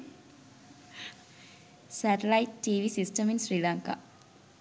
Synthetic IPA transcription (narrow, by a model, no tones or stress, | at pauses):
sæʈelajiʈʈiːʋisisʈəminsɾiːlaŋka̰